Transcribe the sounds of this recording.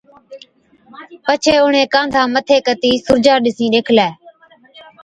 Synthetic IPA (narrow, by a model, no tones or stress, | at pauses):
pət͡ʃʰeːʊɳẽːkãːnd̪ʱãːmət̪ʰeːkət̪iːsʊɾd͡ʒaːɗɪsĩːɗeːkʰlɛː